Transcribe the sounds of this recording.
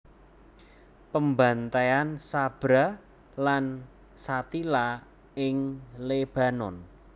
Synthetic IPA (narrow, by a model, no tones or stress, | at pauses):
pəmbant̪eansab̥ɾa | lan | sat̪ila | ɪŋleb̥a̤nɔn